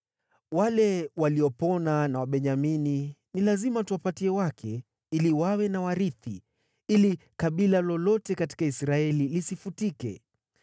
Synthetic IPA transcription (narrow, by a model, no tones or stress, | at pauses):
walɛwaliɔpɔnanawaɓɛɲamininilazimatuwapatiɛwakʰɛ | iliwawɛnawaɾiθḭ | ilikaɓilalɔlɔtɛkati̥kaisɾaɛlilisifutikɛ̰